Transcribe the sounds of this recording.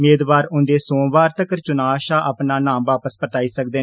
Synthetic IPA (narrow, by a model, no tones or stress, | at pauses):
meːd̪ʋaːɾʊ̃nd̪eːsõːʋaːɾt̪əkəɾt͡ʃʊnaːʃaːʔapnaːnãːmʋaːpəspət̪aːiːsəkd̪eː